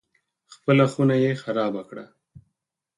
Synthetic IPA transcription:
xpəlaxunajexaɾɑːbakɽa

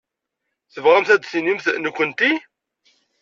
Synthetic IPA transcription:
θəvʁæmθæd̪sinimθnəkʷːənt̪i

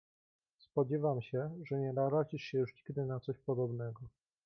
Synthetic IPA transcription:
spɔd͡ʑɛvamɕɛʐɛɲɛd̪aɾat͡ɕiʂɕɛjuʂɲiɡd̪ɘnat̪sɔɕpɔd̪ɔbnɛɡɔ

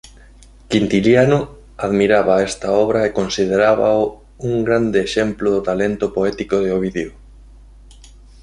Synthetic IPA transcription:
kint̪iljanʊ | aðmiɾaβaɛst̪aɔβɾaekonsið̞eɾaβa̰ | uŋɡɾand̪ɪːʃɛmplʊðʊt̪alent̪ʊpoɛt̪ikoðeoβ̞iðeo

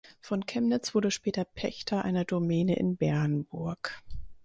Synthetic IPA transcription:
fɔnkʰɛmnɪt͡sv̥ʊɐɾəʃpɛːtɐpʰɛçtʰɐʔa̰ɪnɐdomɛːnəʔɪ̰nbɛɐnbʊɐk

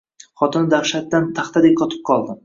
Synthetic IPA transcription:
χɒt̪ɪnɪd̪aχʃat̪̚d̪ant̪ʰaχt̪ad̪ek̚qʰɒt̪ʰɪ̥p̚qʰɒlˠd̪ɪm

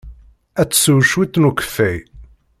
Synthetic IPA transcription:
æt͡sːsuwʃwit̪ːnukə̥fːæj

